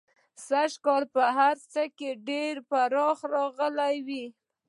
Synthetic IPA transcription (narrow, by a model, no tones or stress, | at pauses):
saʃkɑlpəɦaɾt͡səkeɖeɾpaɾɑxɾɑɣəlajwi